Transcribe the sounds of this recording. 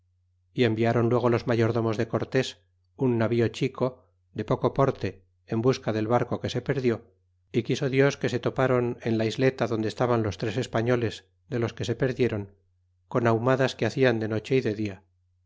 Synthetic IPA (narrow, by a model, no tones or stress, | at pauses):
ie̞mbiaɾo̞nlwe̞ɣ̞olo̞zmaʝo̞ɾðo̞mo̞zðe̞ko̞ɾt̪e̞s | unːaβio̞t͡ʃikʰo̞ | ðe̞po̞ko̞po̞ɾt̪e̞ː | mbuskaðe̞lβaɾko̞ke̞se̞pe̞ɾðjo̞ | ikiso̞ðjo̞ske̞se̞t̪o̞paɾo̞ne̞nlaizle̞t̪aðo̞nd̪est̪aβanlo̞st̪ɾe̞se̞spaɲo̞le̞z | ðe̞lo̞ske̞se̞pe̞ɾðje̞ɾo̞ŋ | ko̞nawmaðaskeaθiand̪e̞no̞t͡ʃe̞iðe̞ðia